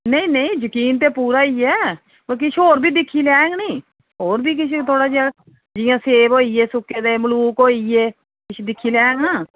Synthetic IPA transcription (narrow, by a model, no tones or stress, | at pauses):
nəĩːnəĩːd͡ʒəkiːnt̪̬eːpuːɾaːiːɛː | bək̬ɪʃʰoːɾbiːd̪ɪkʰːiːlɛːŋɡnĩː | ɦoːɾbiːk̬ɪt͡ʃʰt̪ʰoːɽaːd͡ʒaː | d͡ʒɪjãːseːboːiːeːsʊkːeːd̪eməluːkoːieː | kɪʃʰd̪ɪkʰːiːlɛːŋɡãː